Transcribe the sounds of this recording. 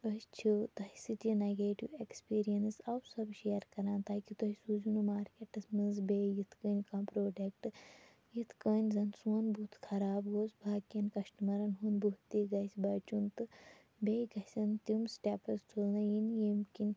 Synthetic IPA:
ɐst͡ʃʰut̪ɐɦisɨt̪ineɡeːʈḭwekspiːɾijɐnsɐwsɐbʃeːɐɾkɐɾaːnt̪aːkit̪ɐɦisud͡ʒunumaːɾkʲeʈɐsmɨnzbeːjit̪ʰkəːnʲkãːmpɾoːɖek̚ʈɨ | jit̪ʰkəːnʲzɐnsuːnbʱut̪ʰkʰɐɾaːbɡoːsbʱaːkɐnkɐʃʈɐmɐɾɐnɦunbut̪ːiːɡɐsʲbɐːt͡ʃunt̪ɨ | beːjɡɐsʲɐnt̪umsʈeːpɐstʰulnɐjinjemkinʲ

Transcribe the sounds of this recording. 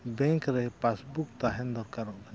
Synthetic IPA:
bɛŋkɾɛpasbuk̚t̪aɦɛnd̪ɔɾkaɾɔʔbaɲ

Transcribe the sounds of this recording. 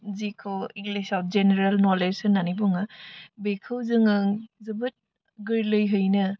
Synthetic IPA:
zikʰɯwiŋɡlisaw̚zeneɾalnɔlesɯnːanibɔŋabekʰɯwzɯŋɯŋzɯbɯt̚ | ɡɯɾlɯjɦɯjnɯ

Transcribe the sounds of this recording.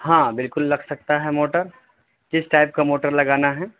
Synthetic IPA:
hãːbɪlkʊlːɐɡsɐk̚t̪aɦɛmoːʈəɾ | d͡ʒɪsʈaːɪp̚kamoːʈəɾlɐɡaːnaɦɛː

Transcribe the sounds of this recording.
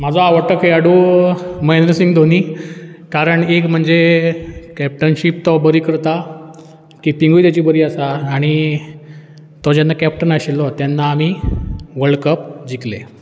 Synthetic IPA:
mad͡zʱɔaʋəʈəkɦeaɽumajnəɾsiŋɡd̪ʱoniː | kaɾəɳekm̤əɳd͡ze | kɛp̚ʈənɕip̚t̪ɔbəɾiːkəɾt̪a | kiːpiŋɡujt̪jat͡ɕiːbəɾiːasaːɽ̃i | t̪ɔd͡ʑanːakɛp̚ʈənaɕilːɔt̪janːaːmiʋəɭkəpd͡ʑiklḛ

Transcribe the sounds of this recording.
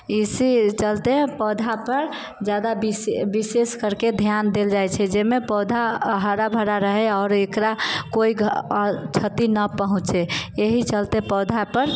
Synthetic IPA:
isit͡ʃəlt̪epɔd̪ʱapəɾ | d͡ʒjad̪abibiseskəɾked̪ʱjand̪eld͡ʒajt͡ʃʰɛd͡ʒemepɔd̪ʱaɦəɾabʱəɾaɾəɦɛɔːɾekɾakoiɡt͡ʃʰət̪inəpəɦũt͡ʃeeɦit͡ʃəlt̪epɔd̪ʱapəɾ

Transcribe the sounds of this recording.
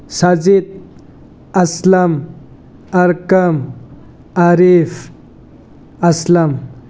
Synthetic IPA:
sɐd͡zid̪̚ | ɐslɐm | ɐɾkɐm | aɾif | ɐslɐm

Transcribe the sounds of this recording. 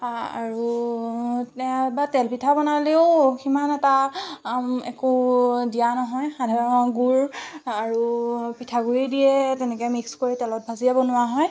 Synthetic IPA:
a̰ɹu | tɛãbatɛlpitʰabɔnaleʊximanɛta | ɛkʊdijanɔɦɔjxadʱaɹɔɔnɔɡuɹaɹupitʰaɡuɹidijɛtɛnɛkɛmikskoɹitɛlɔt̚bʱaziabɔnʊwaɦɔj

